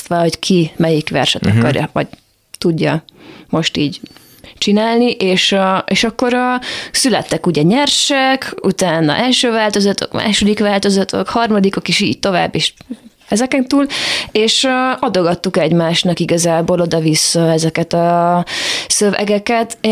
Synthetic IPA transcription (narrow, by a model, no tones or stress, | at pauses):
t̪ʋɒlo̞ckʰimɛjikʋɛ̰rʃɛt̪ɒ̰kɒ̰rjɒ̰ʋɒ̰ɟ | t̪uɟːɒmo̞ʃt̪iːɟ | t͡ʃinaːlniʔeːʃeːʃɒkːo̞ɾsylɛ̰t̪ːɛkuɟɛɲɛrʃɛkṵt̪aːnɒ̰ʔɛlʃøːvaːlt̪o̞zɒt̪o̰kma̰ːʃo̞d̪ikʋaːlt̪o̞zɒt̪ʰo̞̰khɒrmɒd̪iko̞keʃiːɟ̚t̪o̞va̰ːbːeːʃ | ɛzɛkɛnt̪uːleːʃɒd̪o̞ɡɒt̪ːukɛɟmaːʃnɒkiɡɒzaːboːlo̞d̪ɒvisːɒɛzɛkɛt̪ɒ | søvɛ̰ɡɛkɛt̪